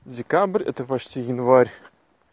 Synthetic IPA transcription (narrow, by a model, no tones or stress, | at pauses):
dʲekabrʲɛ̰t̪ɐpɐt͡ʃt̪ʲʰijɪnvaɾʲ